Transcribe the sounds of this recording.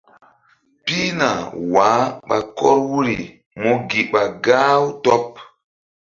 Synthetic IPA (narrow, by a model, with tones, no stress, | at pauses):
pi˦na˨waː˨˦ɓa˨kɔ˦ɾwu˦ɾi˨ | mo˦ɡi˨ɓa˨ɡa˦wtɔ˦p̚